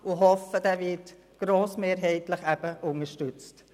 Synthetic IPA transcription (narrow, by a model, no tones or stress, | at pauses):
ʊɦɔfədɛːvɪt | ɡ̥ɾoːsmeːɾɦɛɪtləχæb̥əʔʊŋəʃtʉt͡st